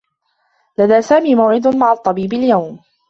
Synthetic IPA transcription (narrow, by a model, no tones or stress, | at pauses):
laðaːsaːmiːmawʕɪd̪maʕɑt̪ˤːɑbiːbaljawm